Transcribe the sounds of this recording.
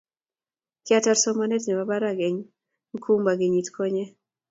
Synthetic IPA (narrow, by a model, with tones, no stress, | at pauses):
kɪ˦ata˦rsɔ˦manɛ˦tnɛ˨baba˦ɾaɡe˨ŋ | ŋ˦kʰu˦mba˨ɡe˨ɲi˨tkʰɔ˦ɲɛ˦